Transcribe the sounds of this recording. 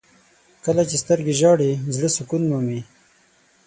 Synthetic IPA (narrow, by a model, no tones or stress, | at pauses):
kəlat͡ʃest̪əɾɡeʒɑɽizləsʊkunmumi